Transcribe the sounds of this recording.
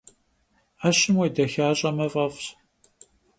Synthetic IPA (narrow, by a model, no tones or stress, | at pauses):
aɕɪmwejdɐxaːɕʼɐmɐvʼɐfɕ